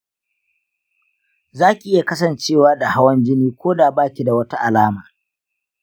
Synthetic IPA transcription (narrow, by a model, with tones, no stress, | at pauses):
zaː˦kʲi˨ʔɪ˦ja˨kɐ˦sɐ˨nt͡ʃeː˦˨waː˦da˨ha˦wɐ˦nd͡ʒɪ˦niː˦kʷoː˦daː˨baː˦˨kʲi˨da˨wɐ˦ta˦ʔa˨laː˦maː˨